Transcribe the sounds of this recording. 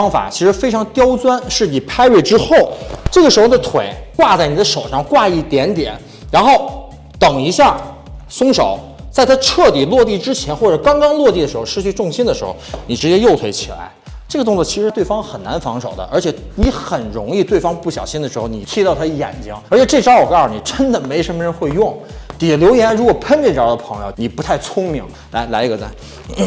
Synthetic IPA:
ɑ˥ŋfa̰˨˩t͡ɕʰi˧˥ʂɻ̩˧˥fe˥ɪʈ͡ʂʰɑ˧˥ŋt̪jɑ˥ʊt͡swa˥nʂɻ̩˥˩ni˨˩pʰa˥ɪɥe˥˩ɪʈ͡ʂɻ̩˥xo˥˩ʊʈ͡ʂɤ˥˩ɡə˩ʂɻ̩˧˥xo˥˧˩ə˧t̪ʰwḛ˨˩˦ɪkwa˥˧t͡sa˥˩ɪni˨˩d̪ə˦ʂo˨˩ʊʂɑ˥˧ŋkwa˥˧i˥˩t̪jɛ˧˥nt̪jɛ̰˨˩˦n | ɻa˧˥nxo˥˩ʊ | t̪ɤ˨˩ŋi˧˥ɕja˥˩ | sʊ˥ŋʂo˨˧˩ʊ | t͡sa˥˩ɪt̪ʰa˥ʈ͡ʂʰɤ˥˩t̪i˨˩lwɔ˥˧t̪i˥˩ʈ͡ʂɻ̩˥t͡ɕʰjɛ˧˥nxwɔ˥˩ʈ͡ʂɤ˨˩kɑ˥ŋkɑ˥ŋlwɔ˥˧t̪i˥˩də˩ʂɻ̩˧˥xo˧ʊʂɻ̩˥˧t͡ɕʰy˥˧ʈ͡ʂʊ˥˧ŋɕi˥nd̪ə˨˩ʂɻ̩˧˥xo̰˧˩ʊni˨˩ʈ͡ʂɻ̩˧˥t͡ɕjɛ˥jo˥˩ʊt̪ʰwe˧˥t͡ɕʰi˨˩la̰˧˥ɪ | ʈ͡ʂɤ˥˩ɡət̪ʊ˥˧ŋt͡swɔ˥˩t͡ɕʰi˧˥ʂ̩˥˧˥t̪we˥˩fɑ˥ŋxə˨˩nna˧˥nfɑ˧˥ŋʂo˨˩ʊd̪ə̰˦ʔə̰˞˧˥t͡ɕʰjɛ˧˩˥ | ni˧˥xə˨˩nɻʊ˧˥ŋi˥˧t̪we˥˩ɪfɑ˥ŋpu˥˩ɕjɑ˨˩ʊɕi˥nd̪ə˩ʂɻ̩˧˥xo˧ʊni˨˩t̪ʰi˥˧ɑ˥˩ʊ˥˧jɛ̰˨˩nt͡ɕi˥ŋə˞˧˥t͡ɕʰɛ˨˧˥ʈ͡ʂe˥˩ɪʈ͡ʂɑ˥ʊwɔ˨˩kːni˨˩ʈ͡ʂə˥nd̪ə˨me˧˥ɪʂə˧˥nmə˧ɻə˧˥nxwe˥˧ɪjʊ˥˩ŋ | t̪i˨˩ljo˧˥ʊjɛ˧˥n˥˩ɻu˧˥kwɔ˨˩pʰə˥nt͡ɕi˥˩ɑ˧˥d̪ə˧pʰɤ˧˥ŋjo˧ʊni˨˩pu˧˥t̪ʰa˥˩ɪt͡sʰʊ˥ŋmi˧˥ŋ | la˧˥ɪla˧˥ɪi˧˥ɡə˧t͡sa̰˥˩ | n̩˥˩

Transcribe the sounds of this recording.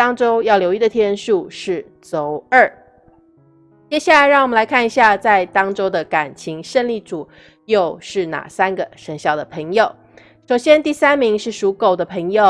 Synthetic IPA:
t̪ɑ˥ŋʈ͡ʂo˥ʊjɑ˥˩ʊljo˧ʊi˥˩d̪ə˩t̪ʰjɛ˥nʂu˥˧ʂɻ̩˥˩ | t͡so˧˥ʊə˥˩ | t͡ɕjɛ˥ɕja˥˩la˧ɪɻŋwɔ˨˩mə˦la˧˥ɪkʰa˥˩ni˧˥ɕja˥˧t͡sa˥˧ɪt̪ɑ˥ŋʈ͡ʂo˥ʊd̪ə˨ka˨˩nt͡ɕʰi˧˥ŋʂə˥˧nli˥˩ʈ͡ʂu˨˩˦ | jo˥˧ʊʂɻ̩˥˩na̰˨˩sa˥nɡə˨˩ʂə˧˥ŋɕjɑ˥˩ʊd̪ə˩pʰɤ˧˥ŋjo˨˩ʊ | ʂo˨˩ʊɕjɛ˥nt̪i˥˩sa˥nmi˧˥ŋʂɻ̩˥˩ʂu˧˥ko˨˩ʊd̪ə˦pʰɤ˧˥ŋjo˨˩ʊ

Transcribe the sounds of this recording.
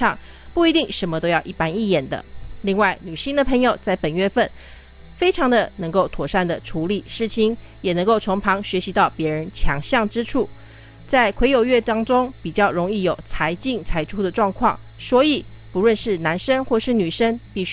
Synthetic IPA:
ɑ˥˨˩ŋ | pu˥˩i˧˥t̪i˥˩ŋʂə˧˥nmə˧t̪o˥ʊjɑ˥˧ʊʔi˥˩pa˥ni˥˩jɛ˨˩nd̪ə̰˦li˥˧ŋwa˥˩ɪny˨˩ɕi˥ŋd̪ə˨pʰɤ˧˥ŋjo˨˩ʊt͡sa˥˩ɪpə˨˩nɥɛ˥˧fə˥˩n | fe˥ɪʈ͡ʂʰɑ˧˥ŋd̪ə˧˨nɤ˧˥ŋko˥˩ʊt̪ʰwɔ˨˩ʂa˥˩nd̪ə˩ʈ͡ʂʰu˧˥li˨˩ʂɻ̩˥˩t͡ɕʰi˧˥ŋ | jɛ˨˩nɤ˧˥ŋko˥˩ʊt͡sʰo˧˥ŋpʰɑ˧˥ŋɕɥɛ˧˥ɕi˧˥t̪ɑ˥˩ʊpjɛ˧˥ɻə˧˦˥nt͡ɕʰjɑ˧˥ŋɕjɑ˥˩ŋʈ͡ʂɻ̩˥ʈ͡ʂʰu˥˩ | t͡sa˥˩ɪkʰwe˧˥ɪjo˨˩ʊɥɛ˥˩t̪ɑ˥ŋʈ͡ʂʊ˥ŋpi˨˩t͡ɕjɑ˥˩ʊɻʊ˧˥ŋi˥˩jo˨˩ʊt͡sʰa˧˥ɪt͡ɕi˥˩ŋt͡sʰa˧˥ɪʈ͡ʂʰu˥d̪ə˨ʈ͡ʂwɑ˥˧ŋkʰwɑ̰˥˩ŋswɔ˧˥i˨˩ | pu˧˥lwə˥˧nʂɻ̩˥˩na˧˥nʂə˥nxwɔ˥˧ʂɻ̩˥˩ny˨˩ʂə˥ŋpi˥˩

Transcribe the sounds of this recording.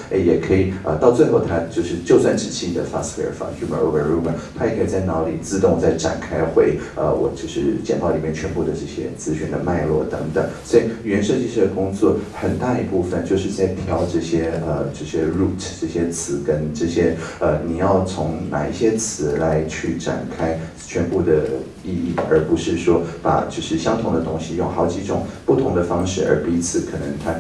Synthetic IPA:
e˥˧˩jɛ˨˩kʰɤ˧˥i˨˩ə˧t̪ɑ˥˧ʊt͡swe˥˧ɪxo˥˩ʊt̪ʰa˥t͡ɕjo˥˧ʊʂɻ̩˥˧t͡ɕjo˥˧ʊswa˥˩nʈ͡ʂɻ̩˨˩t͡ɕʰi˥˩d̪ə̰˩fa̰˥sfwɛ̰˥˩ə̰˨˩fɑ̰˧˥nu˥mə̰˨˩o̰˧ʊə˧ɻu˥mə̰˨˩t̪ʰa˥jɛ˨˩kʰɤ˧˥i˨˩t͡sa˥˩ɪnɑ˧˥ʊli˨˩t͡sɹ̩˥˧t̪ʊ˥˧ŋ˨˩t͡sa˥˩ɪʈ͡ʂa̰˨˩nkʰa˥ɪxwe˧˥ɪə̰˧wʔɔ̰˨˩t͡ɕjo˥˧ʊʂɻ̩˥˩t͡ɕjɛ˨˩npɑ˥˩ʊli˨˩mjɛ˥˩nt͡ɕʰɥɛ˧˥npu˥˩d̪ə˩ʈ͡ʂɤ˥˩ɕjɛ̰˥t͡sɹ̩˥ɕy˧˥nd̪ə˨ma˥˧ɪlwɔ̰˥˩t̪ɤ˧˥ŋt̪ɤ̰˨˩˦ŋswɔ˧˥i˨˩ɥɛ˧˥nʂɤ˥˧t͡ɕi˥˧ʂd̪ə˩kʊ˥ŋt͡swɔ˥˩xə˨˩nt̪a˥˧˩i˧˥pu˥˩fə˨˩nt͡ɕjo˥˧ʊʂɻ̩˥˧t͡sa˥˩ɪpʰjɑ˥ʊʈ͡ʂɤ˥˩ɕjɛ˥ə˧ʈ͡ʂɤ˥˩ɕjɛ˥ɻu˥˩tʰʈ͡ʂɤ˥˩ɕjɛ˥t͡sʰɹ̩˧˥kə˥nʈ͡ʂɤ˥˩ɕjɛ˥ə˧ni˨˩jɑ˥˩ʊt͡sʰʊ˧˥ŋna̰˨˩i˧˩ɕjɛ˥t͡sʰɹ̩˧˥la˧˥ɪt͡ɕʰy˥˩ʈ͡ʂa̰˨˩nkʰa˥ɪ | t͡ɕʰɥɛ˧˥npu˥˩d̪ə˩ | i˥˧i˥˩ə˞˧˥pu˧˥ʂɻ̩˥˩ʂwɔ˥pa̰˨˩t͡ɕjo˥˧ʊʂɻ̩˥˩ɕjɑ˥ŋt̪ʰʊ˧˥ŋd̪ə˧t̪ʊ˥ŋɕi˨jʊ˥˩ŋxɑ˧˥ʊt͡ɕi˧˥ʈ͡ʂʊ̰˨˩˦ŋpu˥˩t̪ʰʊ˧˥ŋd̪ə˧fɑ˥ŋʂɻ̩˥˩ə̰˞˧˥pi˧˥t͡sʰɹ̩˧˩kʰɤ˨˩nə˧˥ŋt̪ʰa˥

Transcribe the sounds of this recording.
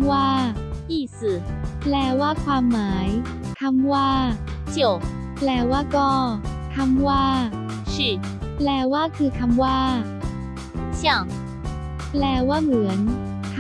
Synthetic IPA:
waː˥˩ʔiː˥˩sɯː˨˩plɛː˧˩waː˥˩kʰwaː˧mːaː˩˦j | kʰa˧˥mwaː˥˩ | t͡ɕʰi˨˩ə˩w | plɛː˧˩waː˥˩kɔː˥˩ | k̪ʰa˧mwaː˥˩ | t͡ɕʰi˧˩ | plɛː˧˩waː˥˩kʰɯː˧˩kʰa˧mwaː˥˩ | sa˧˩ŋ | plɛː˧˩waː˥˩mɯ˩˦ən | kʰ

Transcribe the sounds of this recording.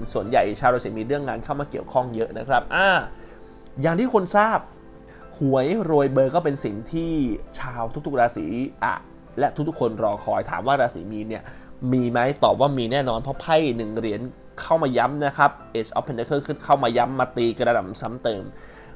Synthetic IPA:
su˨˩ənja̰˨˩jt͡ɕʰaː˧wɾaː˧siː˨˩˦miː˧nɾɯ˥˩əŋːaː˧nkʰa˥˩wmaː˧ki˨˩əwkʰɔ˥˩ŋjɤ˦˥ʔna˦˥kʰɾa˦˥p̚ʔaː˧˩ | jaː˨˩ŋt̪ʰiː˥˩kʰo˧nsaː˥˩p̚ | hu˨˩˦əjɾoː˧jbɤː˧kɔː˥˩pe˧nsi˨˩ŋt̪ʰiː˥˩t͡ɕʰaː˧wt̪ʰu˦˥k̚t̪̚ʰɾaː˧sḭː˩˦ʔa̰˨˩ | lɛ˦˥ʔt̪ʰu˦˥k̚t̪u˥kʰo˧nɾɔː˧kʰɔː˧jt̪ʰa̰ː˩˦mwaː˥˩ɾaː˧sḭ˩˦miː˧ni˦˥˩əmiː˧ma˦˥jt̪ɔː˨˩p̚waː˥˩miː˧nɛː˥˩nɔː˧npʰɔ˦˥pʰa˥˩jnɯ˨˩ŋɾi˩˦ən | kʰa˥˩wmaː˧ja˦˥mna˦˥kʰɾa˦˥p̚ʔeː˨˩t͡ɕʔɔ̰ː˦˥pʰːe˧nt̪e˧kʰɤː˥˩ɯ˥˩kʰa˥˩wmaː˧ja˦˥mːaː˧t̪iː˧ka˧a˧na̰˨˩msa˦˥mt̪ɤː˧m

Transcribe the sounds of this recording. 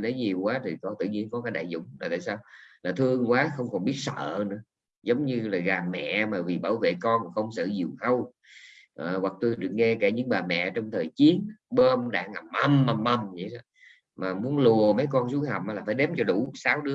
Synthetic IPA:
lə˨˦jɲi˨˩əwkwaː˨˦t̪ʰi˨˩kɔ˧nt̪ɨ̰˧˨ɲi˧ənkɔ˨˦kaː˨˦jɗaː˧˨jzʊ̰˧˥˨ŋ͡maː˨˩t̪a̰ː˧˨jsaː˧wlaː˨˩t̪ʰɨ˧əŋkwaː˨˦xə˧wŋ͡mkɔ˨˩nɓi˦˥ət̚sə̰ː˧˨nɨ̰˧˥ə | zə˨˦wŋ͡mɲɨ˧laː˨˩ɣaː˨˩mːɛ̰˧˨maː˨˩vi˨˩ɓaː˧˩wvḛ˧˨kɔ˧n˨˩xə˧wŋ͡msə̰ː˧˨zi˨˩əwhə˧w | ʔəː˨˩ɣwa˨˩k̚t̪u˧jɗɨ˨˩ək̚ŋɛ˧kaː˧˩ɲɨ̰˧˥ŋɓaː˨˩mɛ̰˧˨t͡ɕɔ˧wŋ͡mt̪ʰəː˨˩jt͡ɕi˨˦ənɓəː˧mɗa̰ː˧˩ŋʔa˨˩mʔə˧ma˨˩mʔə˧˩mzi˨˦ja˧˩ | maː˨˩mu˨˦ənlu˨˩əmə˨˦jkɔ˧nsu˨˦jha˨˩wmʔaː˨˦laː˨˩faː˧˩jɗɛ˨˦mt͡ɕɔ˧ɗu˧˩saː˨˦wɗɨ˨˦ə

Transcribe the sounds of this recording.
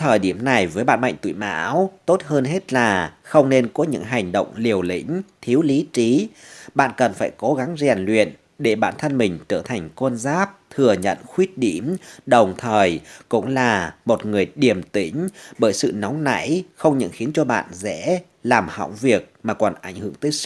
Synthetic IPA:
t̪ʰəː˨˩jɗi˧˩əmna˨˩jvəː˨˦jɓa̰ː˧˨nma̰˧˨ŋt̪ṵ˧˨ma̰ː˧˥wt̪o˦˥t̚həː˧nɦe˦˥t̚laː˨˩xə˧wŋ͡mne˧nkɔ˨˦ɲɨ̰˧˥ŋɦa˨˩jŋ̟ɗə̰˧˨wŋ͡mli˨˩əwlḭ̈˧˥ŋ̟t̪ʰi˨˦əwli˨˦t͡ɕi˨˦ɓa̰ː˧˨nkə˨˩nfaː˧˩jko˨˦ɣa˨˦ŋzɛ˨˩nlwḭ˧˨ən | ɗe˧˩ɓa̰ː˧˨nt̪ʰə˧nmï˨˩ŋ̟t͡ɕəː˧˩t̪ʰa˨˩jŋ̟kə˧nzaː˦˥p̚t̪ʰɨ˨˩əɲə̰˧˨nxwi˦˥ət̚ɗi˧˩mɗə˨˩wŋ͡mt̪ʰəː˨˩jkʊ̰˧˥ŋ͡mlaː˨˩mo˨˩t̚ŋɨ˨˩əjɗi˨˩əmt̪ï˧˥˦ŋ̟ɓəː˧˩jsɨ̰˧˨na˨˦wŋ͡mna̰˧˥jxə˧wŋ͡mɲə̰˧˨nxi˨˦ənt͡ɕɔ˧ɓa̰ː˧˨nzɛ̰˧˥ | laː˨˩mha̰˧˨wvi˨˩ək̚maː˨˩kɔ˨˩nʔa˧˩jŋ̟hɨ̰˧˩əŋt̪əː˨˦js̚

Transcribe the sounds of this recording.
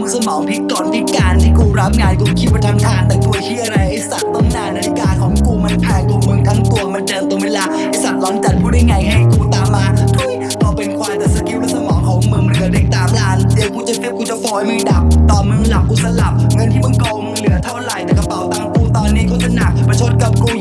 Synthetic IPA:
sa˧mɔː˨˦ŋpʰi˦˥t̪̚kɔː˨˩npʰi˦˥kaː˧nt̪ʰiː˥˩kuː˧ɾa˦˥p̚ŋaː˧nkuː˧kʰi˦˥t̪̚wa˧˩t̪ʰa˧t̪ʰaː˧˩nt̪ɛ˨˩k̪u˧˩əjt̪ʰiː˥˩ʔa˧ɾa˧jʔa˧˩jsa˨˩t̪̚ːɔ˧˩mnaː˧˩na˨˩˧kaː˧nkʰɔː˨˦ŋkuː˨˩ma˧˩nʔʰaː˨˧˩jku˨˩mɯ˧ŋk̪ʰa˦˥ŋt̪u˧ɐma˧ndɤː˧mt̪u˧weː˧laː˧ʔa˧˩sa˨˩t̪̚lɔː˦˥nt͡ɕa˨˩t̪̚kʰuː˧˩da˥˩jŋa˧˩jha˧˩kuː˧˩t̪aː˨˩mːaː˧˩t̪ʰu˧˥˩əjkɔː˧˩pe˧nkʰwaː˧t̪a˨˧˩sa˨˧˦ki˧˥˩wlːsa˧mɔː˨˦ŋkʰɔː˨˦ŋmɯ˧ŋm˧lde˨˩k̚t̪aː˧˦˥mlaː˦˥ndi˨˩˦wkuː˧˩t͡ɕa˨˩ki˦˥˩p̚kuː˧˩t͡ɕa˨˩fɔː˨˧˦jmɯ˧ŋda˨˩p̚t̪ɔː˨˩mɯ˧ŋla˨˩p̚ʔuː˧˩t̚sa˧la˨˩p̚ŋɤ˧nt̪ʰiː˥˩ma˧˩nkloː˧ŋmɯ˧ŋlɯ˨˩˦ət̪ʰa˥˩wɾa˨˩˦jt̪ɛː˨˩ka˧pa˨˩wt̪aː˧˩mkuː˨˩t̪ɔː˧nːiː˦˥kʰɔː˥˩t͡ɕa˨˩na˨˩k̚pa˧jt͡ɕʰo˦˥t̪̚ka˨˩p̚kuː˨˩

